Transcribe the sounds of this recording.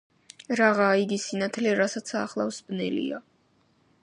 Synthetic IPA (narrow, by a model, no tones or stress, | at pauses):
ɾaʁaːiɡisinat̪ʰlɛɾasat̪sʰaχlˠa̰fsbnɛ̰lḭa